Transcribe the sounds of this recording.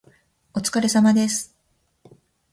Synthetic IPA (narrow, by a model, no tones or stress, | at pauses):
o̞t͡sɨ̥kaɾe̞samad̪e̞sɨ̥